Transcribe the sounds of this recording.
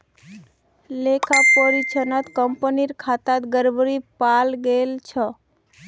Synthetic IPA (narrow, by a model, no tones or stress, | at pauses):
lekʰapəɾit͡ʃʰənət̪kəmpəniɾkʰat̪at̪ɡəɾbəɾipalɡelt͡ʃʰɔ